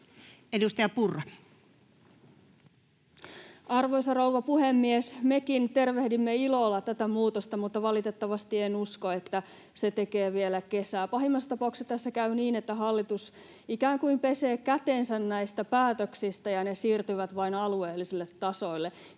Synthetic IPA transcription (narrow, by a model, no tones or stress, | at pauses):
edust̪ɑjɑpurːɑ | ɑrʋojsɑrowʋɑpuhemːiesme̞kint̪e̞rʋe̞hdimːeilo̞ːlːɑt̪æt̪æmuːt̪ost̪ɑmut̪ːɑʋɑlit̪e̞t̪ːɑʋɑst̪ienuskoet̪ːæ | se̞t̪e̞ke̞ːʋielæke̞sæːpɑɦimːɑst̪ɑpɑuksjɑt̪ːæsːekæyniːnet̪ːæɦɑlːit̪us | ikæːŋkuimpe̞se̞ːkæt̪ensænnæjst̪æpæːt̪øksist̪æjɑnesiːrt̪yʋæt̪ʋɑinɑlue̞ːlːisilːet̪ːɑso̞ilːe̞